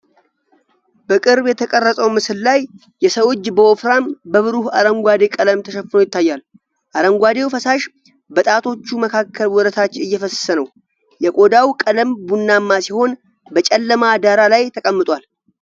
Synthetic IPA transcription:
b̥əkʼɨɾbjɛt̪ʰəkʼərːəsʼəwmɨsɨllajː | ɛsəwo̞t͡ʃːbəwofɾambəβɨɾuhaɾəŋɡʷad̪e̞kʼələmt̪ʰəʃɛfɨnojɪt̪ːajːal | ʔaɾəŋɡʷad̪e̞wfəsaʃ | bət̪ʼat̪ʰo̞t͡ʃːuməkʰakʰːəlwɔɾət̪ʰat͡ʃːɪɨjːɛfəssənəw | jɛkʼo̞d̪awkʼələmbunːamːasiho̞n | bət͡ʃʼɛlːəmad̪aɾalajt̪ʰəkʼəmːɨt̪ʼwal

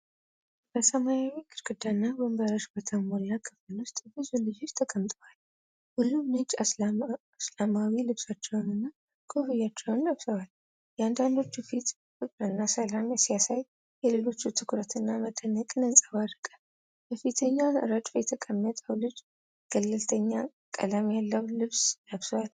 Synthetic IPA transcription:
b̥əsəmajawikʰɨɾɡɨd̪anːabəmbəɾəʃbət̪ʰəmoɾiakʰɨfɨlʊst̪ʼbɨzulɨd͡ʒod͡ʒt̪ʰəkʼəmt̪ʼəwal | hulːumnɨd͡ʒa | slamawilɨbsat͡ʃːɛwnɨnːa | ɡ̥ʰohɨjat͡ʃːɛwnːaβsəwal | jɛand̪and̪o̞t͡ʃːufit̪ | fɨkʼɾɨnːasəlamjɛsijasaj | jɛlelo̞t͡ʃːut̪ʰɨkɾət̪ʰɨnːamət̪ʰənəkʼnənsʼawaɾɨkʼə | bəfit̪ʰəɲːaɾad͡ʒʼfjɛt̪ʰəkʼəmːət̪ʼəwlɨd͡ʒ | ɡ̥əlːɨlt̪ʰəɲːa | kʼə̰lamjalːəwlɨβsnəβsəwal

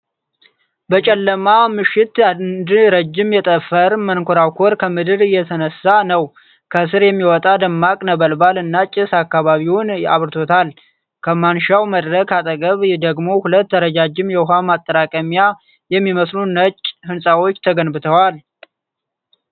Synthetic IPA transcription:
bət͡ʃʼɛlːəmamɨʃɪt̪ad̪ɾəd͡ʒːɪmjɛt̪ʼəfːəɾmənkʰoɾawkʰoɾkʰəmɨd̪ɨɾɨjːɛt̪ʰənəsːanəw | kʰəsɨɾjɛmːiwɔt̪ʼad̪əmːakʼnəβəlbalɨnːat͡ʃʼɪsakːaβaβiwʊna̰βɾt̪ʰo̞t̪ʰal | kʰəmanʃawməd̪ɾəkʰat̪ʼəɡʼəβd̪əɡmo̞hulət̪ːəɾəd͡ʒad͡ʒːɪmjɛwɦamat̪ʼːəɾakʼəmja | jɛmːiməslunət͡ʃʼhɨnsʼawo̞t͡ʃːt̪ʰəɡənbɨt̪ʰəwal

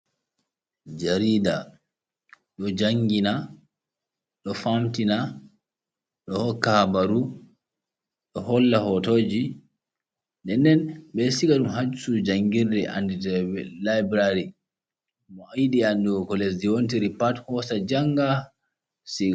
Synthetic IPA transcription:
d͡ʒaɾiːda | ɗɔd͡ʒaŋɡina | ɗɔfamtina | ɗɔhɔkːabaɾu | ɗɔhɔlːahɔtod͡ʒi | ɗɛndɛnɓɛsikaɗumhad͡ʒusud͡ʒaŋɡirdɛʔa̰nditlajbɾaɾi | mɔajɗiandiɡɔkɔlesdiwont̬iɾipathɔsad͡ʒaŋɡa | siɡa

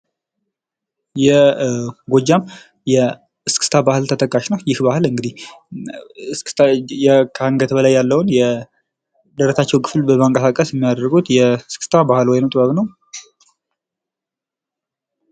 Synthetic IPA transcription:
jɛ | ɡod͡ʒːam | jɛ | ɨskʰɨ̥st̪ʰabahɨlt̪ʰət̪ʰʼəkʼːaʃnəwjɪhbahɨlɨŋɡɨd̪ih | sjɛkʰaŋɡət̪bəlajːalːəwnjɛ | d̪əɾəsat͡ʃːɛwkʰɨflbəmaŋkʼəsakʼəsjɛmːijad̪əɾɡut̪jɛskʰɨ̥st̪ʰabahɨlwɔjnəwt̪ʼbəβnəw

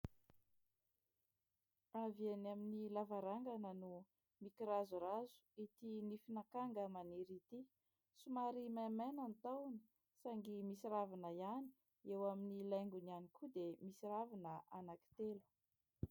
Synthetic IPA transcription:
avanaminilavaɾaŋɡanənu | mikiɾazurazu̥it̪inifinakaŋɡəmaniɾit̪i | sumaɾimamananit̪awni̥ | saŋɡimisiɾavanəiani̥ | ewaminilajŋɡunianikud̪emisiravinəʔanaki̥t̪elu̥

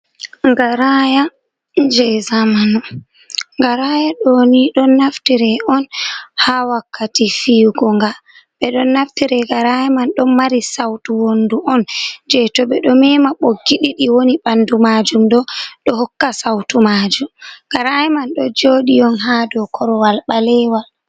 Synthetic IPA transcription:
ŋɡaɾaja | d͡ʒɛzamanu | ŋɡaɾajaɗoniɗɔnːaftiɾɛʔɔnhawakʰːatifiːɡɔŋɡa | ɓɛɗɔnːaftiɾɛɡaɾajamanɗɔmmaɾisawtuwonduʔɔnd͡ʒɛtɔɓɛɗɔmɛmaɓoɡːiɗiɗiwonibandumad͡ʒumɗɔɗɔhɔkːasawtumad͡ʒumɡ̥aɾajɛmanɗɔd͡ʒoɗijɔnɦadɔkʰɔɾɔwalɓalɛwal

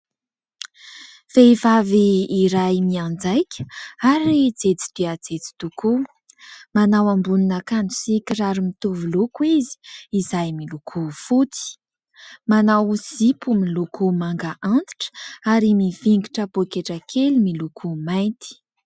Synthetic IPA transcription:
fevaviːɾajmiand͡zajkʲə̥aɾid͡zet͡si̥d̪̥iad͡zet͡si̥t̪uku | manawambuninakand͡zu̥sikʲiraɾumit̪uvulukuizi̥izajmilukʰufut̪i̥ | manawzipumilukumaŋɡaʔant̪i̥ʈ͡ʂə̥aɾimiviŋɡiʈ͡ʂəpokeʈ͡ʂəkʰelimilukʰumajnt̪i̥

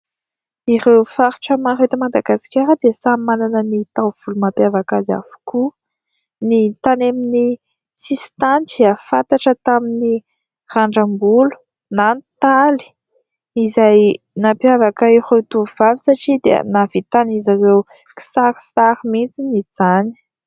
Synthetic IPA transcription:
irewfaɾi̥ʈ͡ʂəmaɾet̪əmad̪aɡasi̥kʲaɾəd̪esamananənit̪av̥ulumapjavakaza̰vu̥ku | nit̪anemini | sisi̥t̪antiafant̪aʈ͡ʂət̪amini | raɳɖ͡ʐəmbulu̥ | nant̪ali̥ | izaj | napjavakairewt̪uv̥avisaʈ͡ʂid̪ḛnavit̪anizaɾew | ki̥saɾi̥saɾimit͡sinid͡zani̥

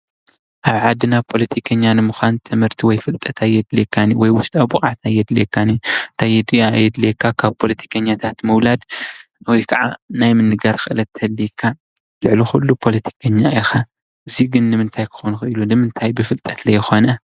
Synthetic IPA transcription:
ʔaβʕad̪ɨnapʰo̞lɐt̪ʰikʰɐɲːanɨmuxʷant̪ʰɨmhɨɾt̪ʰiwɔjfɨlt̪ʼɐt̪ʰajːɛd̪lekʰːaniwɔjwʊst̪ʼabuχʼat̪ajːɛd̪lekʰːanit̪ʰajɛd̪ijaːjːɛd̪lekʰːakʰaβpʰo̞lɐt̪ʰi̥kʰɐɲːat̪ʰat̪mɐwlad̪ | wɔjkʰɐʕa̰najmɨnɨɡaɾxɨʔɨlɐt̪ʰːɐlːikʰːa | lɨʕlixulːupʰo̞lɐt̪ʰi̥kʰɐɲːaixa | ʔɨziɡɨnːɨmɨnt̪ʰajkʰɨ̥xonuxɨilunɨmɨnt̪ʰajbɨfɨlt̪ʼɐt̪lɐjɪxo̞nɐ

